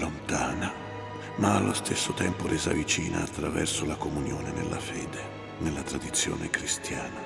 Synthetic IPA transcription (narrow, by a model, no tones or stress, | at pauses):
lont̪aːna | maːlːost̪esːot̪ɛmpoɾɛːzavit͡ʃiːna̰ːt̪ːɾavɛ̰rsolakomunjoːnenḛlːa̰fɛːd̪e | nelːat̪ɾad̪it̪sːjo̰ːnekɾist̪jaːna